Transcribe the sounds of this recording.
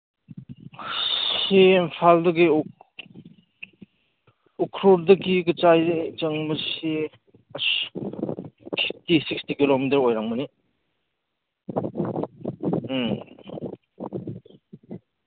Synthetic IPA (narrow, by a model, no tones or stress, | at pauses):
sempʰaldɐɡi | ukʰɾoɾdɐkiɡət͡ʃajt͡ʃəŋməse | s | fʰip̚tisikstikilomitɐɾojɾaŋməni